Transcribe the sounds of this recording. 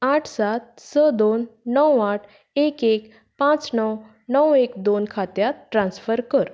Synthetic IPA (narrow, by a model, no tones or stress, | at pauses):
aʈʰsat̪̚ | səd̪onːəwaʈʰ | ekek | pãt͡snəw | nəwekd̪onkʰat̪jat̪ʈɾãnsfəɾkəɾ